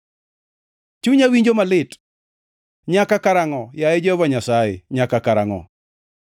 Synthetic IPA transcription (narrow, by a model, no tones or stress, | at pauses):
t͡ʃuɲawiɲd͡ʒomalɪt | ɲakakaɾaŋɔjajɛd͡ʒɔvaɲasaḛɲakakaɾaŋɔ̰